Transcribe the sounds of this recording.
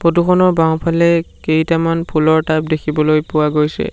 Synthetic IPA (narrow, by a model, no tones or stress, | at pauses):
potukʰɔnɔɹbaw̃pʰalɛkejtamanpʰulɔɹtap̚dekʰibɔlojpʊwaɡojsɛ̰